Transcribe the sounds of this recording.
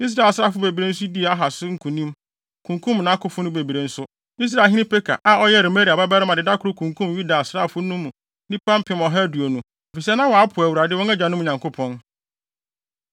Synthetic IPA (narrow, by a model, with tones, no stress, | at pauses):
i˦s̬ɾa˨lsɾa˦˨fʊ˦be˨bi˨ɾe˦n̩˦s̬ʊ˦di˦e˨a˦ɦa˨sʊ˦ŋ̩˦kʰũ˨nĩ˦m | kʰũ˨ŋkʰũ˦mnã˨˦kʊ˦fʊ˦nʊ̃˦be˨bi˨ɾe˨n̩˦sʊ˦ | i˦s̬ɾa˨ɦĩ˦nɪ̃˦pʰe˦kʰa̰˨ʔa˦ɔ˦jɛ˦˨ɾe˨me˦ɾi˨a˨ba˦bɛ˦ɾɪ˦mã˨dɪ˨da˦kʰʊ˨ɾʊ˦kʰũ˨ŋkʰũ˦mju˦da˨sɾa˦˨fʊ˦nũ˦mːũ˨ | nĩ˦pã˦m˦pʰɪ̃˨mɔ˨ɦɛ˦du˨o˨nũ˨ | ɔ˨fi˨s̬ɛ˦nã˦wɔ˨a˦pʰʊ˨æ˨wu˨ɾa˨dɪ˦wɔ̃˦ɛ˦d͡ʑã˨nʊ̃˦m˨ɲã˨ŋkʰʊ˦pʰɔ̃˦n